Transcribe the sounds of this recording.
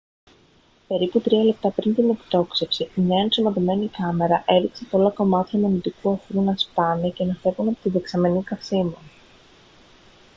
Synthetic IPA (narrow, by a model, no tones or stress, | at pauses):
pe̞ɾiput̪ɾiɐle̞p̚t̪ɐpɾint̪inekt̪o̞ksefsiineɐnsimɐðomenikɐme̞ɾɐʔe̞ɾiksep̪olɐko̞mɐt̪çɐmenit̪ikuɐfɾunɐspɐnice̞nɐθe̞vunɐpot̪iðe̞ksɐme̞nikɐfsimu